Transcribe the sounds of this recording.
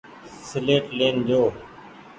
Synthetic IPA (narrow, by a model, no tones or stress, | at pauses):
sleːʈleːnd͡ʒoː